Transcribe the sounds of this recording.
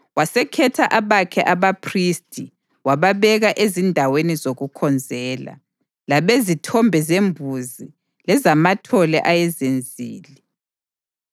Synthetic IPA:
wasɛkʰɛtʰaʔaβakʰɛʔaβapʰristʼi | waβaβɛɣaʔezindʱawenizoɣukʰɔnd͡zʱɛːla̰ | laβezitʰɔmbʱɛzembʱuzi | lɛzamatʰɔlɛʔajɛzend͡zʱiːli

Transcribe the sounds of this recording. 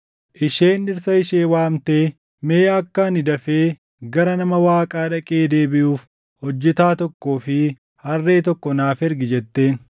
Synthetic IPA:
ʔɪʃe̞ːnɪɾsɐɪʃeːwaːmt̪eː | me̞ːɐkːɐnɪd̪ɐfeː | ɡɐɾɐnɐmɐwaːkʼaːᶑɐkʼeːd̪e̞ːbɪʔuːf | hɔd͡ʒːɪt̪aːt̪ɔkːoːfɪ | hɐrːe̞ːt̪ɔkːɔnaːfɛɾɡɪd͡ʒɛt̪ːe̞ːn

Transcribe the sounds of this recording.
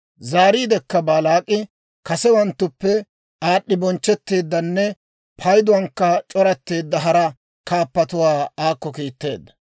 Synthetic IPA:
zaːɾiːd̪ɛkːɐbaːlaːkʼːɪ | kɐsɛwɐnt̪ːʊpːɛ | aːɗːɪbɔnt͡ʃːɛt̪ːeːd̪ːɐnːɛ | pʰɐjd̪ʊwɐŋkːɐt͡ʃʼɔɾɐt̪ːeːd̪ːɐɦɐɾɐ | kaːpːɐt̪ʊwaːaːkːɔkiːt̪ːe̞ːd̪ːɐ̥

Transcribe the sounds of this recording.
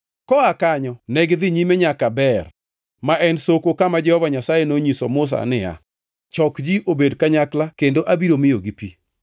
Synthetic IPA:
kɔakaɲɔnɛɡd̪ɪɲimeɲakabɛr | maʔɛnsokokamad͡ʒɛhɔvaɲasajenoɲisɔmʊs̬a̰nɪja̰ | t͡ʃɔkd͡ʒiʔobedkaɲaklakendoʔabiɾomɪjoɡipi

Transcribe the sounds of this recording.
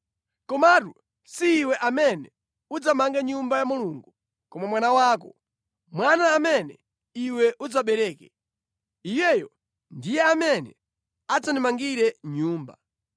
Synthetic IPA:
kɔmatu | siːwɛʔamɛnɛ | ud͡zamaŋɡɛɲumbajamuluŋɡu | kɔmamwanawaːk̬ɔ | mwanaːmɛnɛ̰ | iwɛʔud͡zaɓɛɾɛːkɛ | ijɛjɔ | ndijɛamɛnɛ | ad͡zanimaŋɡiɾɛɲuːmba

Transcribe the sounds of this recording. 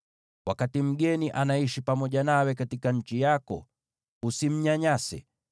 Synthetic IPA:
wakatim̩ɡɛniʔanaiʃipamɔʄanawɛkatikaɲ̩t͡ʃijakɔ̰ | usim̩ɲaɲasɛ̰

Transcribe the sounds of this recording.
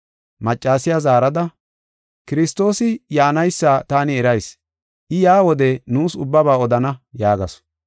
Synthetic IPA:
mɐt͡ʃʼːaːsɪjazaːɾɐd̪ɐ | kɪɾɪst̪o̞ːsɪjaːnɐjsːaːt̪aːnɪɛɾɐjs | ʔɪjaːwɔd̪ɛnuːsʊbːɐbaːɔd̪ɐnɐjaːɡɐsɔ̥

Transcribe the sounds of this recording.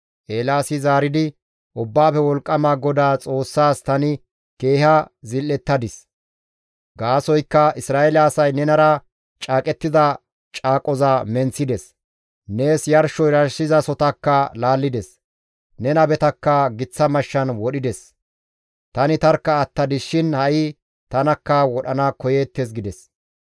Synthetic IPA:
ʔeːlaːsɪzaːɾɪd̪ɪ | ʔʊbːaːfɛwɔlkʼːɐmaɡɔd̪aːt͡sʼo̞ːsːaːst̪ɐnɪ | ke̞ːhɐzɪlːɛt̪ːɐd̪ɪs | ɡaːsɔjkːɐɪsɾaːʔɛlaːsɐjnɛnɐɾɐ | t͡ʃʼaːkʼɛt̪ːɪzɐ | t͡ʃʼaːkʼɔzamɛnt͡sːɪd̪ɛs | ne̞ːsjɐɾʃɔjɾɐɾsɪzɐsɔt̪ɐkːɐlaːlːɪd̪ɛs | nɛnɐbɛt̪ɐkːɐɡɪt͡sːɐmɐʃːɐnwɔɗɪd̪ɛs | t̪ɐnɪt̪ɐɾkːɐːt̪ːɐd̪ɪʃɪnhɐʔɪ | t̪ɐnɐkːɐwɔɗɐnɐkɔjeːt̪ːes̬ɡɪd̪ɛs

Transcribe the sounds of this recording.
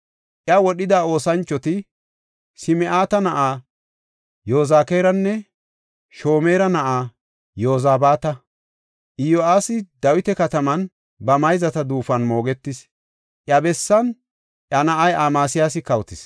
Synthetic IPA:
ʔjɐwɔɗɪd̪aːo̞ːsɐnt͡ʃːɔt̪ɪ | sɪmɛʔaːt̪ɐnɐʔaː | jo̞ːzaːkeːɾɐnːɛ | ʃo̞ːmeːɾɐnɐʔaː | jo̞ːzaːbaːt̪ɐ | ʔɪjoaːsɪd̪ɐwɪt̪ɛkɐt̪ɐmɐn | bɐmɐjzɐt̪ɐd̪uːfɐnmo̞ːɡɛt̪ːɪs | ʔjɐbɛsːɐn | ʔjɐnɐʔɐjʔaːmaːsɪjaːsɪkɐwt̪ɪs

